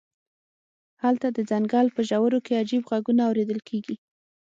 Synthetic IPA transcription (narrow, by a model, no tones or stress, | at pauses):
halt̪ad̪əd͡zaŋɡɑlpəʒawəɾokead͡ʒibɣaɡunaːwɾed̪əlkʰeɡi